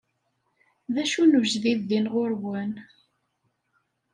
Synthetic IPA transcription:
ðæʃunuʒðiðːinʁʊɾwən

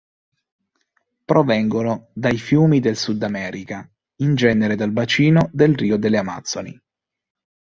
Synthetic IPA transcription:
pɾovɛŋɡonod̪ajfjuːmid̪elsud̪amɛːɾika | ind͡ʒɛːneɾed̪albat͡ʃiːnod̪elriːod̪elːeama̰t̪sːonḭ

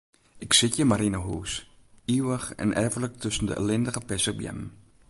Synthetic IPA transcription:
ʔɪksɪtjəmaɾinəɦuːs | iwəχɛ̰nʔɛːvələk̚tɵsəndə̰ʔə̰lɪndəχəpɛsəbjɛ̰m

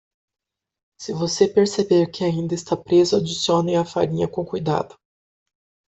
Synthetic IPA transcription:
sɪvosepeɾsebeɾkɪaĩnd̪ɐɪst̪apɾezʊad͡ʒisiõnʊẽɐfa̰ɾĩɲɐkõkujd̪a̰d̪ʊ

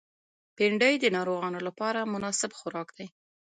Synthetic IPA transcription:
pɪɳɖəjd̪ənɑɾoɣɑnolapɑɾamʊnɑsɪbxʊɾɑkd̪̥aj

